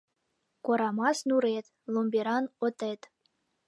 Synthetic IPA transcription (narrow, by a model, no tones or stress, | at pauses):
koɾɑmɑsnuɾet̪ʲ | lˠomʲbʲeɾɑnŏt̪et̪